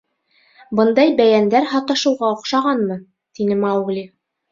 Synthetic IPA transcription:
bɤnd̪ɑjbæjænd̪æɾhɑt̪ɑ̆ʃɤ̆wʁɑŏqʃɑʁɑnmɤ | t̪inɘmɑwɡlʲi

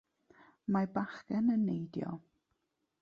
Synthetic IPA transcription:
mabaχɡɛnənːejdjɔ̰

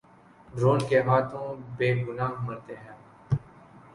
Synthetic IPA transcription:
ɖɾoːnkeɦaːt̪ʰõːbeːɡʊnaːɦmɐɾt̪eɦɛ̃ː

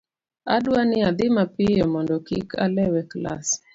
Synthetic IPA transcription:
adwanɪad̪ɪmapɪjɔmɔndɔkḭkʰalɛwɛkla̰s

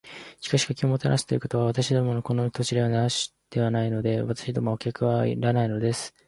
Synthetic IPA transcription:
ɕi̥kaɕi̥kakʲimo̞t̪aɾa̰ɕi̥t̪eɾɯ̟ko̞t̪o̞β̞aβat̪aɕid̪o̞mo̞noko̞no̞t̪o̞t͡ɕiɾeβanaoɕi̥ | d̪̥e̞βanaino̞d̪e̞βat̪ḁɕid̪o̞mokʲakɯ̟βaḭɾanaino̞d̪e̞sɨ̥

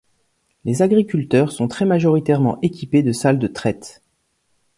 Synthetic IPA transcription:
lezaɡʁikʲylt̪œʁsɔ̃t̪χɛmaʒɔʁit̪ɛʁmɑ̰̃ʔekʲiped̪əsald̪ət̪χɛt̪

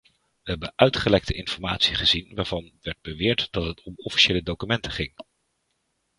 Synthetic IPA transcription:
ʋəɦɛbənʔœɥtχəlɛk̚təɪnfɔɹmaːtsiχəzinʋaːɹv̥ɑnʋɛɹd̚bəʋɪːɹtd̥ɑtɦətʰɔmɔfi̥ʃeːlədowkymɛntəχɪŋ

